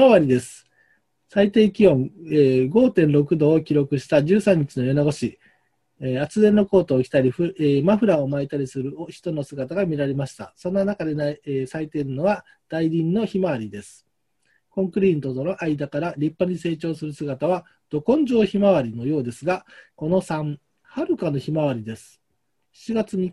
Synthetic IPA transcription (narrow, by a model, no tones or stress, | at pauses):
maβaɾʲid̪e̞sɨ̥ | sait̪e̞ːkʲiõ̞ŋeːɡo̞ːt̪ẽ̞nɾo̞kɯ̟d̪o̞ːkʲiɾo̞kɯ̟ɕi̥t̪ad͡ʑɨːsãɲ̟ːit͡ɕinojonoɡo̞ɕi | at͡sɨzẽ̞nːo̞ko̞ːt̪o̞ːkʲi̥t̪aɾʲiɸɯemaɸɯ̟ɾaomait̪aɾʲisɨɾɯ̟oçi̥t̪o̞no̞sɨɡat̪aɡamʲiɾaɾe̞maɕi̥t̪a̰sõ̞nːanakad̪e̞nasait̪e̞ɾɯ̟no̞βa | d̪̥aiɾʲĩnːo̞çimaβaɾʲid̪e̞sɨ̥ | kõ̞ŋkɯ̟ɾʲĩnt̪o̞t̪o̞no̞ʔaid̪akaɾaɾʲipːaɲ̟ise̞ːt͡ɕo̞ːsɨɾɯ̟sɨɡat̪aβ̞a | d̪̥o̞kõ̞ɲ̟d͡ʑo̞ːçimaβ̞aɾʲino̞jo̞ːd̪e̞sɨɡako̞no̞sãɴ | haɾɯ̟kano̞çimaβ̞aɾʲid̪e̞sɨ̥ | ç̥t͡ɕiɡat͡sɨɲ̟i